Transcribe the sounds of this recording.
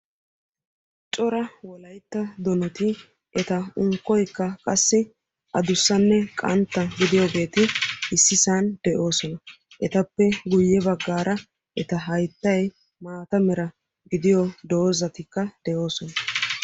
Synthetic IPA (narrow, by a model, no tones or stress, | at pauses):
t͡ʃʼɔɾɐwɔlɐjt̪ːɐd̪ɔnɔt̪ɪ | ʔɛt̪ɐʊŋkːɔjkːɐkʼɐsːɪ | ʔɐd̪ʊsːɐnːɛkʼɐnt̪ːɐɡɪd̪ɪjoːɡe̞ːt̪ɪɪsːɪsaːnd̪̥ɛʔo̞ːsɔnɐ | ʔɛt̪ɐpːɛɡʊjːɛbɐɡːaːɾʔɐ | ʔɛt̪ɐɦɐjt̪ːɐj | maːt̪ɐmɛɾɐ | ɡɪd̪ɪjɔd̪o̞ːzɐt̪ɪkːɐd̪̥ɛʔo̞ːsɔnɐ